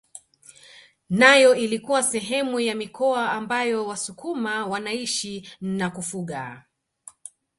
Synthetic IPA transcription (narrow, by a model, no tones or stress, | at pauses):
najɔilikuwasɛɦɛmujamikɔaːmbajɔwasukumawanaiʃinakufuɠa